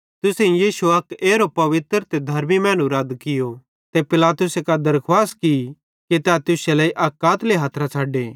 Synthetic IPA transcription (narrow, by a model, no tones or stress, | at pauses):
t̪ʊsẽijiːsuɐkeːɾopɐʋɪt̪ɾt̪ed̪ʱɐɾmimɛ̃ːnuɾaːd̪kɪjo | t̪epɪlaːt̪ʊsekad̪ɐɾkʰwaːski | ket̪ːaːt̪ʊselaːiʔɐːkːaːt̪leɦaːt̪ʰɾat͡sʰaːɖeː